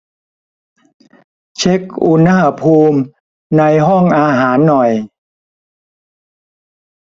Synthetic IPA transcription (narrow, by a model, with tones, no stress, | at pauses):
t͡ɕʰe˦˥k̚ʔu˧na˥˩a˧pʰuː˧m | na˧jɦɔ˥˩ŋʔaː˧ɦaː˩˦nːɔ˨˩j